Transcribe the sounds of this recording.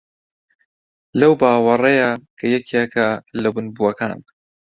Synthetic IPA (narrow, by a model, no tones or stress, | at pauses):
lɐwbaːwɐrˤɐjakʰɐjɛkʰekɐlɐbɨnbuɐka̰ːn